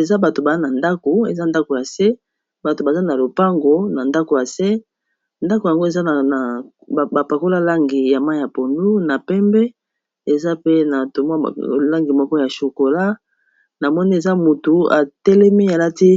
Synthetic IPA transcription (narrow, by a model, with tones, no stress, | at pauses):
e˨za˦ba˨to˨ba˨za˦na˨nda˦ko˨ḛ˨za˦nda˦ko˨ja˨se˦ | ba˨to˨ba˨za˦na˨lo˨pa˦ŋɡo˨na˨nda˦ko˨ja˨se˦ | nda˦ko˨ja˨ŋɡo˦e˨za˦˨ | ba˨pa˨ko˦la˦la˦ŋɡi˨ja˨ma˦ja˨po˨ndu˦na˨pɛ˦mbɛ˦ | e˨za˦pe˦na˨to˨mwa̰˦˨la˦ŋɡi˨mɔ˦kɔ˦ja˨ʃo˨ko˨la˦ | na˨mɔ˦ni˦e˨za˦mu˨tu˨a̰˨tɛ˦lɛ˦mi˦ja˨la˦ti˦